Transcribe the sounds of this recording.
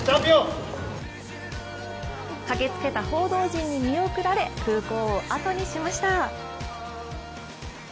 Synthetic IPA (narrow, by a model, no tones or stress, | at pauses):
t̪abʲo | kaɡe̞t͡sɨ̥ke̞t̪aho̞ːd̪o̞ːʑĩɲ̟ːimʲio̞kɯ̟ɾaɾe̞kɯ̟ːko̞ːʔat̪o̞ɲ̟iɕimaɕi̥t̪a